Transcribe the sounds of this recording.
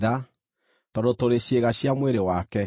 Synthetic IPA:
ða | tɔɾotoɾeɕeɣaɕjamweɾewaːkɛ

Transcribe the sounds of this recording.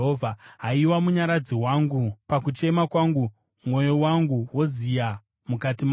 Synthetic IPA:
ɦovʱaɦaiwamuɲaɾad͡ziwaŋɡupakut͡ʃe̞makwaŋɡu | mwo̞jo̞waŋɡuwo̞zija | mukatim

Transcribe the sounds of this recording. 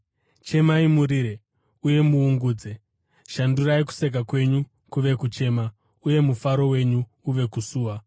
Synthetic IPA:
t͡ʃe̞maimuɾiːɾe | uje̞muːŋɡuːd͡ze | ʃanduɾaiku̥sek̬akwe̞ɲu | kuʋe̞kut͡ʃe̞ːma | uje̞mufaɾo̞we̞ɲuː | ʋe̞kusuːwa

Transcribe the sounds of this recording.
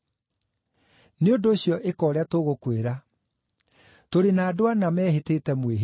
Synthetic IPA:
neondoːɕjɔʔekɔːɾeatoɣokweɾa | toɾenaːdowanamɛːɦeteːtɛmweɦ

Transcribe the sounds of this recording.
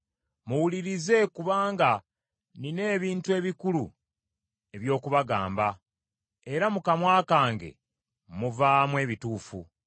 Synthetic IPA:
muwuliɾize̞kuβaːŋɡa | nine̞ːβiːntue̞ːβikulu | e̞βjo̞ːkuβaɡa̰ːmba | e̞ɾamukamwaːkaːŋɡe̞̰ | muvaːmwe̞ːβituːfu

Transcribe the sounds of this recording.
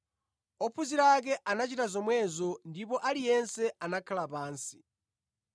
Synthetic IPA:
ɔpʰuziɾak̬ɛʔanat͡ʃitazɔmwɛzɔndipɔʔalijɛnsɛanakʰalapaːnsi̥

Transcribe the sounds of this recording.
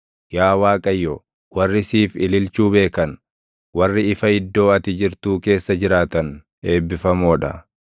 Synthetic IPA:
jaːwaːkʼɐjːɔ | wɐrːɪsiːfɪlɪlt͡ʃuːbe̞ːkɐn | wɐrːɪɪfɐɪd̪ːo̞ːɐt̪ɪd͡ʒɪɾt̪uːke̞ːsːɐd͡ʒɪɾaːt̪ɐn | e̞ːbːɪfɐmoːᶑɐ̰

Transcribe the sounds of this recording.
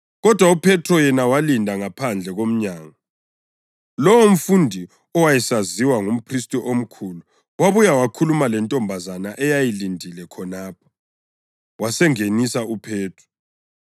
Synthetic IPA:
ɣɔd̥ʱwaupʰɛtʰɔjɛnawalindʱaŋapʰand͡ɮʱɛɣom̩ɲaːŋa | lɔwom̩fundʱi | ɔwajɛsaziwaŋum̩pʰristʼɔʔom̩kʰulu | waβujawakʰulumalɛntʼɔmbʱazanaʔɛjajilindʱilɛkʰɔnaːpʰɔ̥ | wasɛŋenisaupʰɛːtʰɔ̥

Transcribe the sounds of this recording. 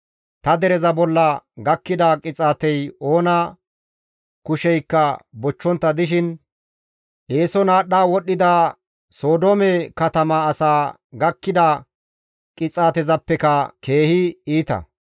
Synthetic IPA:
t̪ɐd̪ɛɾɛzɐbɔlːɐɡɐkːɪd̪ɐkʼɪt͡sʼaːt̪ɛjo̞ːnɐ | kʊʃɛjkːɐbɔt͡ʃːɔnt̪ːɐd̪ɪʃ̬ɪn | ʔeːsɔnaːɗːaːwɔɗːɪd̪aː | so̞ːd̪oːmɛkɐt̪ɐmaɐsaː | ɡɐkːɪd̪ɐ | kʼɪt͡sʼaːt̪ɛzɐpːɛkɐke̞ːhɪiːt̪ɐ̰

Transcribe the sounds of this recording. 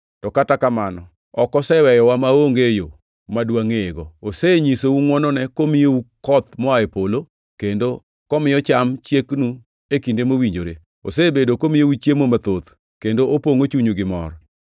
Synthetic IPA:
tɔkatakamanɔ̰ | ɔkɔsɛwɛjɔwamaoŋɡejo | madwaŋeeɡɔoseɲisouŋwɔnɔnɛkomɪjeukɔt̪̚mɔaepolo | kendo | kɔmɪjɔt͡ʃamt͡ʃjeknu | ekindemowiɲd͡ʒoɾe | o̰sebedokomɪjeut͡ʃemomat̪ot̪ | kendoopoŋot͡ʃuɲoɡɪmɔ̰ɾ

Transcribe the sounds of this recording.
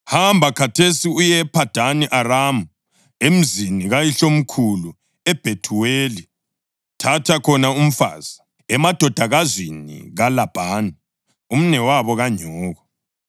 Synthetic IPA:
hambʱakʰatʰesiujɛpʰad̥ʱaniʔaɾamu | em̩ziniɣajiɬom̩kʰulu | ɛb̥ʱetʰuweːli | tʰatʰakʰɔnaum̩fa̰ːz̥a | ɛmad̥ʱɔd̥ʱaɣazwinḭɣalab̥ʱaːna | um̩nɛwaβɔɣaɲɔːɣɔ

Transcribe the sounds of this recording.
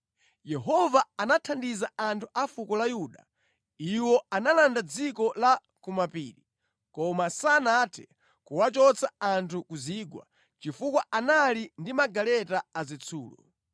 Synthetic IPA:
jɛɦɔvaːnatʰandizaantʰuʔafukɔlajuɗa̰ | iwɔanalandad͡zikɔla | kumapiːɾi | kɔmasanatʰɛ̥ | kuwat͡ʃɔt͡sʰaantʰukuziɡwa̰ | t͡ʃifukwaanalindimaɡalɛtaːzit͡sʰṵːlɔ̰

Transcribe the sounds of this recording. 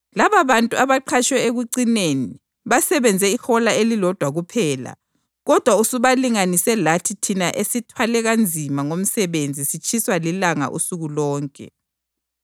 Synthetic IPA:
laβaβantʼuaβaǃʰat͡ʃwɛeɣuǀineni | βasɛβɛnd͡zʱɛixɔlaelilɔd̥ʱwaɣupʰɛːla̰ | ɣɔd̥ʱwausuβaliŋanisɛlatʰitʰinaʔesitʰwalɛɣand͡zʱimaŋom̩sɛβend͡zʱisit͡ʃʼʰiswalilaŋa̰ʔṵsuɣulɔːŋkʼɛ̰

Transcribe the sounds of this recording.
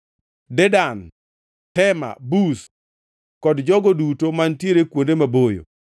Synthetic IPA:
dɛdan | tɛma̰bus | kɔdd͡ʒɔɡodutomantjeɾekwondemabojo̰

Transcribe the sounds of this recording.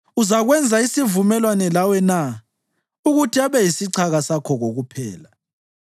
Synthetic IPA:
uzaɣwɛnd͡zʱaisivumɛlwanɛlawɛna | uɣutʰiaβɛjisiǀʰaɣasakʰɔɣoɣupʰɛ̰ːla

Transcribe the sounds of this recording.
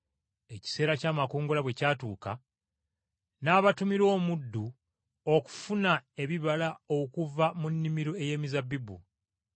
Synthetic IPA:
e̞ci̥se̞ːɾacaːmakoːŋɡolaβwe̞caːtuːka | naːβatumiɾo̞ːmudːu | oku̥funae̞βiβalao̞kuvamunːimiɾoe̞je̞ːmizabːibṵ

